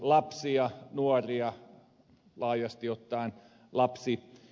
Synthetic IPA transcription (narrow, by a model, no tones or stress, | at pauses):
lɑpsiɑnuoriɑ | lɑːjɑst̪iot̪ːɑin | lɑpsi